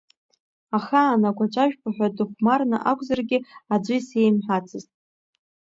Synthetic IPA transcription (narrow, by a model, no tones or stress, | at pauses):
aχaːnakʷat͡ʃʷʰʼaʒᶣpʰaħʷᶣadɨχʷmarnɨ̰ʔakʷʼzarɡʲɪad͡ʒʷɨse̞jmħʷᶣat͡sʰɨztʼ